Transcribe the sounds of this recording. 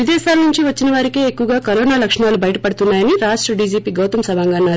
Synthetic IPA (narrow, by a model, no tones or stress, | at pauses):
ʋid̪ɛːsaːlɐnuɲt͡ʃiʋɐt͡ʃːinɐʋaːɾikeekːuʋɐɡaːkɐɾoːnaːlɐkʂɐɳaːlubɐjɐʈɐpɐɽut̪unːaːjɐniɾaːʂʈɾɐɖiːd͡ʒiːpiːɡɐwt̪ɐmsɐbʱaːŋɡaːnːaːɾ